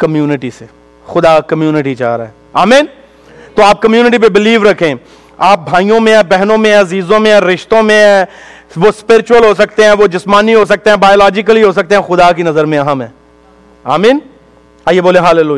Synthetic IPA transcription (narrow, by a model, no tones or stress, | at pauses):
kɐmjuːnɪʈise | xʊd̪akɐmjuːnɪʈit͡ʃa̰ːɾa̰ɦɛː | aːmiːn | t̪oaːp̚kɐmjuːnɪʈip̬ebɪliːʋɾɐkʰẽ | aːp̚bʱaːijõmẽbɛɦnõmẽɐziːzõmẽɾɪʃt̪õmẽ | ʋospɪɾɪt͡ʃʊwəlɦos̬ɐk̚t̪eɦɛ̃ʋod͡ʒɪsmaːniɦos̬ɐk̚t̪eɦɛ̃baːjoːlaːd͡ʒɪk̬əlɦiɦos̬ɐk̚t̪eɦɛ̃xʊd̪ak̬inɐzəɾmẽɐɦəmɦɛ̃ː | aːmĩːn | aːjeboːlẽɦaːleluːj